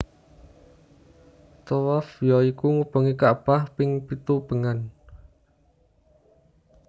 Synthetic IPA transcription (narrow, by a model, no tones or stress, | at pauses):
t̪ɔwafjɔikuŋub̥ə̤ŋikaʔpahpɪŋpit̪ub̥ə̤ŋan